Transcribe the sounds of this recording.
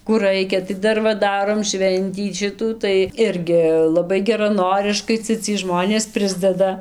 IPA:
kuː ˈrɐɪkʲɛ tɐɪ ˈdɐr ʋɐ ˈdɑːroːm ˈʃʲʋʲɛnʲtʲiː ˈʃʲɪtuː tɐɪ ˈɪrʲɡʲɪ lˠɐˈbɐɪ ɡʲɛrɐˈnoːrʲɪʃkɐɪ ˈt͡sʲɛ t͡sʲiɛj ˈʒmoːnʲeːs ˈpʲrʲɪzʲdʲɛdɐ

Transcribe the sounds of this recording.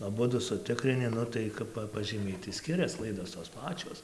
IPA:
ɐˈbʊdʊ sʊˈtʲɪkrʲɪnʲɪ ˈnʊ tɐɪ ˈkɐp pɐʒʲiːˈmʲɛɪ tɐɪ ˈsʲkʲɪrʲɛs ˈklˠɐɪdoːs toːs ˈpɑːt͡ʃʲoːs

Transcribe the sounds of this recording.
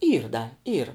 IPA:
ˈiːr dɐ ˈiːr

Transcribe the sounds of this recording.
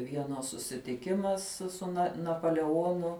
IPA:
ˈʋʲiɛnɐs sʊsʲɪtʲɪˈkʲɪmɐs sʊ sʊ nɐ nɐpoːlʲɛˈoːnʊ

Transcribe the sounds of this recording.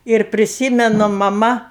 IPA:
ɪr pʲrʲɪˈsʲiːmʲɛnʊ mɐˈmɐ

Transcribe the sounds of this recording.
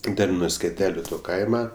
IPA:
ˈtʲɛn nʊ sʲkʲɛˈtʲæːlʲʊ toː ˈkɐɪmɐ

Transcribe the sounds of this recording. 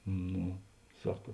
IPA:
ˈnoː ˈsɑːkɐ

